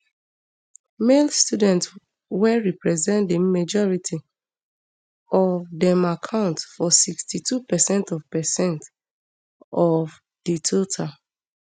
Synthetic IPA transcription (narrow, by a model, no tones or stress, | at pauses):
melstudɛ̃nt | wɛɹipɹɛzɛ̃ntdemad͡ʒɔɹitʰi | ɔvdɛ̃makʰãʊ̃ntfɔsikstitʰupɛsɛ̃ntɔvpɛsɛ̃nt | ɔv | d̥itʰotʰa